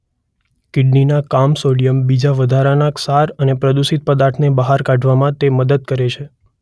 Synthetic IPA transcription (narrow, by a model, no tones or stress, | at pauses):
kɪɖninakamsoɽijəmbid͡ʒaʋəd̪ʱaɾanaksaɾənepɾəd̪usit̪̚pəd̪aɾt̪ʰnebəɦaɾkãɖʱʋamãt̪eməd̪əd̪̚kəɾet͡ʃʰe